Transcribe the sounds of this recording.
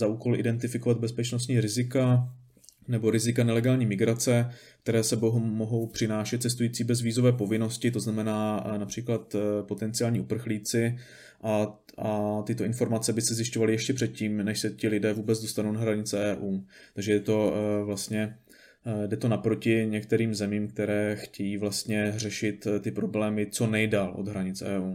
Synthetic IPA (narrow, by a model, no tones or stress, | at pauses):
zaʔuːko̞lʔɪ̰dɛnt̪ɪfɪko̞vad̪̚bɛspɛt͡ʃnos̬t̪ɲiːɾɪzɪka | nɛbo̞ɾɪzɪkanɛlɛɡaːlɲiːmɪɡɾat͡sɛ | k̚t̪ɛɾɛːsɛboɦmoɦo̞wpr̥ɪnaːʃɛt̪̚t͡sɛs̬t̪ujiːt͡siːbɛzviːzo̞vɛːpo̞vɪno̞scɪt̪o̞znamɛnaːnapr̥iːklat̪po̞t̪ɛnt͡sɪaːlɲiːʔupr̩xliːt͡sɪ | ʔa | ʔat̪ɪt̪o̞ʔɪnfo̞ɾmat͡sɛbɪsɛzjɪʃcovalɪjɛʃcɛpr̥ɛt̪̚ciːmnɛʃsɛcɪlɪdɛːvuːbɛd͡zdo̞st̪anownaɦɾaɲɪt͡sɛʔɛːʔuːt̪aɡʒɛdɛt̪o̞vlast̪ɲɛ | dɛt̪o̞napɾo̞cɪɲɛk̚t̪ɛɾiːmzɛmiːmk̚t̪ɛɾɛːxcɛjiːvlast̪ɲɛrɛʃɪt̪t̪ːɪpɾo̞blɛːmɪt͡so̞nɛjdalʔod̪ɦɾaɲɪt͡sɛ̰ːuː